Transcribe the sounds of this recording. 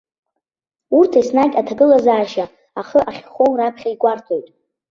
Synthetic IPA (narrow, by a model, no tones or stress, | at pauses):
urtʰaisnakʲʼatʰaɡɨlazaːʃa | aχəʔaχʲχomrapʰχʲaiɡʷartʰo̞jtʼ